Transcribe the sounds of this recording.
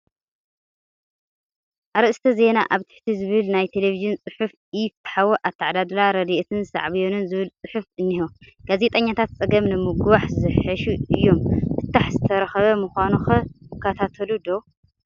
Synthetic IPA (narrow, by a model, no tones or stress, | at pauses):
ʔaɾɨʔst̪ʰɐze̞na̰ʔaβt̪ʰɨ̥ħt̪ʰizɨβɨlnajt̪ʰe̞leviʒint͡sʼɨħufʔift̪ħawoʔat̪ʰaʕd̪ad̪laɾɐd̪iʔt̪ʰɨnsa̰ʕβjonɨnzɨβɨlt͡sʼɨħufɨnːiho | ɡ̥aze̞t̪ʼɐɲːat̪ʰat̪̚t͡sʼɐɡɐmnɨmɨɡwaħzɨħħɨʃuɨjːo̞mbɨt̪ːaħzɨt̪ʰɐɾɐxɐβɐmuxʷanuxɐkʰːɐt̪ʰat̪ʰɐlud̪o̞